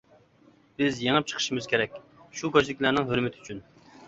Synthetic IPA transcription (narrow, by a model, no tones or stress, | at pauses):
b̥ɪzjeŋəp̚t͡ʃʰə̥χʰə̥ʃimɪz̥kʲeɾɛk̚ʲʃuɡɑt͡ʃd̪ɪkʲlænɪŋɦøɾmɪt̪ʰyt͡ʃʰyn